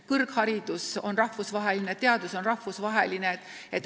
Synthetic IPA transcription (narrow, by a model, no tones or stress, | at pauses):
kɤrɡhɑɾid̪̥uso̞nrɑhvusvɑɦe̞linet̪ːeɑd̪uso̞nrɑhvusvɑɦe̞lineet̪ː | et̪ːˑ